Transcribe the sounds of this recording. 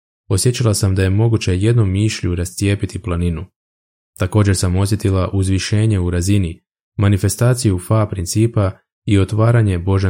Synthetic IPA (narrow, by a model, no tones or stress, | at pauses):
o̞sjet͡ɕalˠasamd̪aje̞mo̞ɡut͡ɕe̞je̞d̪nomːiːʃʎuɾast̪sije̞ːpit̪iplˠaninu | t̪ako̞ːd͡ʑe̞ɾsamo̞sje̞t̪ilˠaʔuzʋiʃe̞ːɲe̞uɾazini | manife̞st̪aːt̪sijufapɾint̪siːpa | io̞t̪ʋaːɾaɲe̞bo̞ʒa